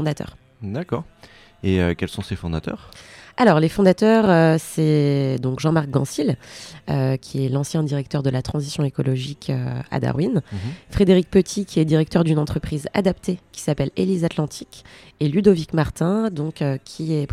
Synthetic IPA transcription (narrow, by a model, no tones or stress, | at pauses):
d̪at̪œ̰ːʁ | d̪akɔːʁ | eøkʲɛlsɔ̃sefɔ̃d̪at̪œ̰ːʁalɔʁlefɔ̃d̪at̪œʁøsɛd̪ɔ̃kʒɑ̃maʁk̚ɡɑ̰̃siløkʲʰiɛlɑ̃sjɛ̃d̪iʁɛk̚t̪œʁd̪əlat̪χɑ̃zisjɔ̃ekɔlɔʒikʰø̰a̰d̪a̰ʁwinfχed̪eʁik̚pət̪ʰikʲiɛd̪iʁɛk̚t̪œʁd̪ynɑ̃t̪χəpχiza̰d̪apt̪ekʲi̥sapɛlelizat̪lɑ̃t̪ʰik | elyd̪ovikmaʁt̪ɛ̃d̪ɔ̃køkʲʰiɛp